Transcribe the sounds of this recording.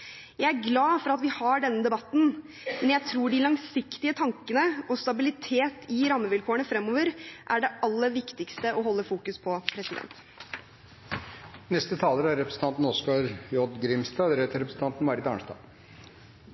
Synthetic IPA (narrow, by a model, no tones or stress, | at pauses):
jæɪæɾɡlɑːfɔɾɑt̪ʋɪhɑɖɛnːəd̪ɛbɑt̪ːn̩ | mɛnjæɪt̪ʰɾuːɖɪlɑŋsɪkt̪ɪət̪ʰɑŋkənəɔst̪ɑbɪlɪt̪ʰeːt̪ʰɪɾɑmːəʋɪlkʰoːəɳəfɾɛmːɔːʋəɾʔæɖɛɑlːəʋɪkt̪ɪkst̪əʔɔɦɔlːəfuːkʉspʰɔpʰɾɛsɪd̪ɛ̰nt̪ | nɛst̪ət̪ʰɑːləɾəæɾɾɛpɾəsn̩t̪ɑnt̪n̩ɔskɑɾjɔd̪ɡɾɪmst̪ɑːd̪ɾeːt̪əɾɛpɾsn̩t̪ʰɑnt̪n̩mɑɾɪd̪ɑːɳst̪ɑ̰ː